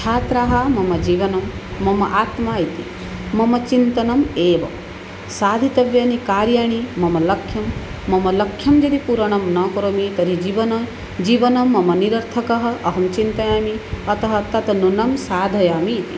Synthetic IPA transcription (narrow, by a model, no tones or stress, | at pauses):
t͡ʃʰaːt̪ɾaːɦɐmɐmɐd͡ʒiːʋɐnɐmːɐmɐʔaːt̪maːit̪ḭ | mɐmɐt͡ʃint̪ɐnɐmeːʋɐm | saːd̪ʱit̪ɐʋjaːnikaːɾjaːɳ̃imɐmɐlɐkʰjɐmː | ɐmɐlɐkʰːjɐmd͡ʒɐd̪ipuɾɐɳ̃ɐmnɐkɐɾomit̪ɐɾid͡ʒiʋɐnɐ | d͡ʒiːʋɐnɐmːɐmɐniɾɐɾt̪ʰɐkɐɦɐ̆ʔɐɦɐmt͡ʃint̪ɐjaːmiɐt̪ɐɦɐt̪ɐt̪ɐnunɐmsaːd̪ʱɐjaːmiːt̪ḭ